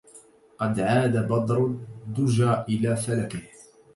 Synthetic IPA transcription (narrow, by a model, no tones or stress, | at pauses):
qɑd̪ʕaːd̪abɑd̪ˤɾd̪ʊʒaːʔɪlaːfalakɪh